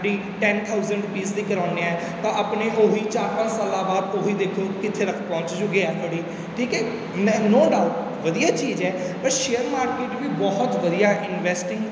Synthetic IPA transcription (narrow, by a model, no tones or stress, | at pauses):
ɖiː | ʈɛːnt̪ʰaːʊzəɳɖpiːsd̪iːkəɾãːneɛː | t̪ãːəpneːɦoːiːt͡ʃaːɾpə̃nt͡ʃsaːlãːbaːd̪oːɦiːd̪eːkʰoːkɪt̪ʰːeːɾəkʰpɔ̃ːɲt͡ʃd͡ʒʊɡeaːt̪ʰoɽiː | ʈʰiːkɛː | noːɖaːʊʈ | ʋəd̪ijaːt͡ʃiːzɛː | pəɾʃeːəɾmaːɾkeːʈʋiːbɔːɦt̪ʋəd̪ijaːʔɪnʋɛːsʈɪ̃ŋɡ